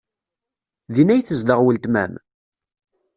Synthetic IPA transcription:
ðinæjθəzd̪əʁwəlt̪mæ̰m

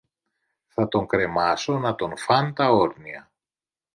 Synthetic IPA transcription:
θɐt̪o̞ŋkɾe̞mɐso̞nɐt̪o̞nfɐnt̪ɐo̞ɾniɐ

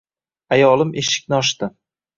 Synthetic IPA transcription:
ajɒlˠɪmʔeʃɪ̥kʲnɪɒʃt̪ɪ

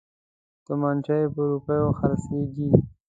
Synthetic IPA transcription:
d̪̥əmant͡ʃajepəɾupəjoxaɾseɡi

